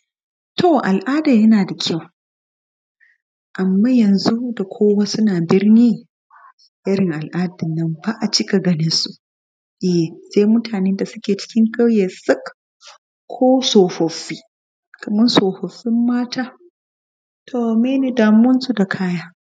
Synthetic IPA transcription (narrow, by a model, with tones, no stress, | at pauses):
tʰo˨ʔa˨lʔaː˦daː˨jɐ˦naː˨da˨kʲʰa˦˨w | ʔa˨mːaː˦jɐ˨nzu˦da˨kʷʰoː˦wa˦sʊ˦naː˨bɪ˦rniː˦ŋ | ʔɪ˦ɾɪ˨ŋʔa˨lʔaː˦dɪ˨nːɐ˦mbaː˦ʔa˨t͡ʃɪ˦ka˨ɡɐ˦nɪ˦nsu˦ʔ | ʔɛ˨seː˦jmʊ˦taː˨neː˦nda˨sʊ˦kʲeː˨t͡ʃɪ̥˦kʲɪ˦ŋka˦wje˨sɪ˦k | kʷʰːoː˦soː˨ɸɐ˨ɸːiː˦ | kɐ˨mɐ˦nsoː˨ɸɐ˨ɸːɪ˦mːaː˦tʰaː˦ | tʰoː˦˨meː˦neː˨daː˨mʊ˦nsu˦da˨kʰaː˦jaː˦